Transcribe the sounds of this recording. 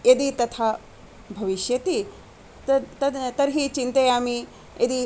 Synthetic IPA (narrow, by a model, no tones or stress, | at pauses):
jed̪it̪ɐt̪ʰaː | bʱɐʋiʃjɐt̪i | t̪ɐt̪ɐd̪t̪ɐɾɦit͡ʃint̪ɐjaːmi | ed̪i